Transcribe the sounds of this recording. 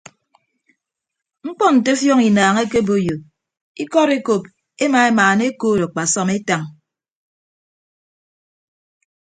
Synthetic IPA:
ŋ͡m̩˦k͡pɔ˦n̩˨te˦fjɔ˦ŋi˨naː˨ŋe˦ke˦bo˨jo˨ | i˦kɔ˦ɾe˦ko˨p̚ | e˦ma˨e˦maː˨ne˦koː˦˨ɾo˨k͡pa˨sɔ˦me˦ta˨ŋ

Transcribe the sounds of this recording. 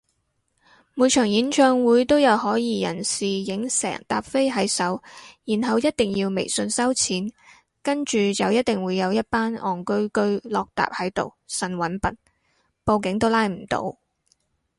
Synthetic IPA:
muː˨˧jt͡ʃʰœː˨˩ŋjiː˨˥nt͡ʃœː˧ŋwuː˨˥jt̪o˥wjɐ˨˧wɦɔː˨˥jiː˧jɐ̰˨˩nsiː˨jɪ˨˥ŋsɛ̰ː˨˩ŋt̪a̰ː˨p̚fe˥jɦɐ˨˥jsɐ˨˥wjiː˨˩nɦɐ˨wjɐ˥t̚t̪ɪ˨ŋjiː˧wmḛ˨˩jsɵ˧nsɐ˥wt͡sʰiː˨˥n | kɐ˥nt͡ʃyː˨t͡sɐ˨wjɐ˥t̚t̪ɪ˨˩ŋwuː˨˧jɐ˨˧wjɐ˥t̚paː˥nɔː˨˩ŋkɵ˥ɥkɵ˥ɥlɔː˧k̚t̪a̰ː˨p̚hɐ˨˥jt̪o̰˨wsɐ˨˩nwɐ˨˥npɐ˨˩n | po˧wkɪ˨˧˥ŋt̪o˥wlaː˥jm̩˨˩t̪o̰˧˥w

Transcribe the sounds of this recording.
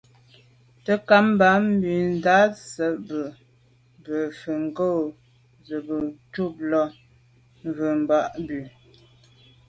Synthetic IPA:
tə˦ka˦m˦ba˨˦m̩˦bi˨n˦za˦sə˨bə˨ | bə˨fə˨ŋ˨ɡo˦˨ | zə˨bə˨tu˦˨p̚lɔ˦ | ɱvə˨m˨ba˦ʔbʉ˨

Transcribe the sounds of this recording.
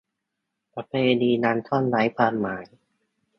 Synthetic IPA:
pɾa˧pʰeː˧niː˧naː˧nt̪ʰɔ˥˩nla˦˥jpʰaː˧nmaː˩˦j

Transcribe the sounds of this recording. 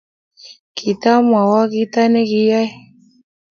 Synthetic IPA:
kʰi˨t̪a˦m˨a˨wa˦ki˦t̪a˦ne˦ki˦ja˦j

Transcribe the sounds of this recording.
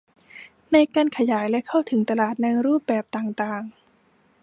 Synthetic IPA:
na˧jkaː˧nkʰa˧jaː˩˦jlɛ˦˥kʰa˥˩wt̪ʰɯ˩˦ŋt̪a˧laː˨˩t̪̚na˧ŋɾuː˥˩p̚bɛː˨˩p̚t̪aː˨˩ŋt̪aː˨˩ŋ

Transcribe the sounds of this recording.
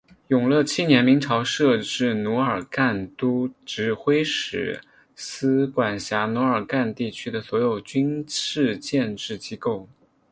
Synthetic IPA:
jʊ˨˩ŋlɤ˥˧t͡ɕʰi˥njɛ˧˥nmi˧˥ŋʈ͡ʂʰɑ˧˥ʊʂɤ˥˧ʈ͡ʂɻ̩˥˩nu˧˥ə˞˨˩ka˥˩nt̪u˥ʈ͡ʂɻ̩˧˥xwe˥ɪʂɻ̩̰˧˩ | sɹ̩˥kwa˨˩nɕja˧˥nu˧˥ə˞˨˩ka˥˧nt̪i˥˩t͡ɕʰy˥d̪ə˨swɔ˧˥jo˨˩ʊt͡ɕy˥nʰɻ̩˥˧t͡ɕjɛ˥˧nʈ͡ʂɻ̩˥˩t͡ɕi˥ko˥˩ʊ

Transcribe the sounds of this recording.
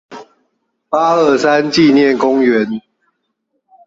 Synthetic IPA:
pa˦ə˥˩sa˦nt͡ɕi˥˨njɛ˥˨nkʊ˦ŋɥɛ˨˦n

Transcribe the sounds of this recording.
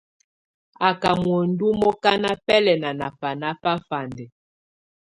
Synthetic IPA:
a˨ka˨mwɔ˨n̩˦du˦mɔ˦ka˦na˦pɛ˦lɛ˨na˨na̰˨fa˨na˦pa˦fa˨ndɛ˨

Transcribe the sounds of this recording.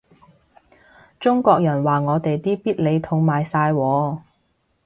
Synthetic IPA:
t͡sʊ˥ŋkʷɔː˧k̚jɐ˨˩nwaː˨ŋɔː˨˧t̪e˨jt̪iː˥piː˥t̚le˨˧jt̪ʰʊ˧ŋmaː˨jsaː˧jwɔː˨˧

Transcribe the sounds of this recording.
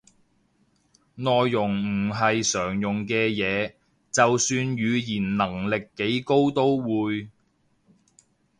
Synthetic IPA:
nɔː˨jːʊ˨˩ŋm̩˨˩ɦɐ˨jsœː˨˩ŋjʊ˨ŋkɛː˧jɛː˨˧ | t͡sɐ˨wsyː˧njyː˨˧jiː˨˩nnɐ˨˩ŋlɪ˨kːe˨˥jko˥wt̪o˥wwuː˨˧j

